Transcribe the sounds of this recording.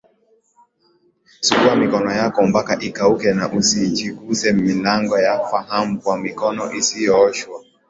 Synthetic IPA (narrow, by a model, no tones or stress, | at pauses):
sukuamikɔnɔjakɔm̩bakaʔikaukɛnaʔusit͡ʃikusɛmilaŋɡɔjafahamukwamikɔnɔʔisijɔʃwa